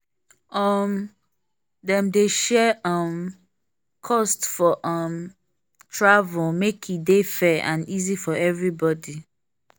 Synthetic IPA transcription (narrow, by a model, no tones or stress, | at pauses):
ʌm | dɛ̃mdeʃɛʌm | kʰɔstfɔʔʌm | tʰɹavulmekʰidefɛã̰nizifɔɛvɹibɔdi